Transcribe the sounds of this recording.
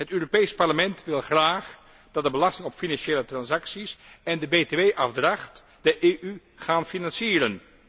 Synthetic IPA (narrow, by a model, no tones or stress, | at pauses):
ɦətøːropejspɑɹləmɛntʋɪlˠχraːχ | d̥ɑt̚dəbəlɑstɪŋɔpfinɑnʃeːlətrɑnsɑksisɛndəbeːteʋejʔɑfdrɑχt | d̥əʔeːʔy | χaːnfinɑnsiːrən